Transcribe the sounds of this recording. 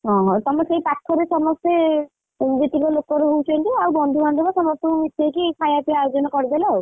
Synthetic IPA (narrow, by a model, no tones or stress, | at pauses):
ɦɔ̃ɦɔ̃t̪ɔmɔsejpakʰːɔɾesɔmɔst̪e | d͡ʒet̪ikɔlokɔɾeɦowt͡ʃʰɔnʈ̪iawbɔnd̪ʱubʱand̪ʱɔbasɔmɔst̪ɔkmit̪ʰːɔjkikʰajaʈiajod͡ʒɔnɔkɔɾid̪elaow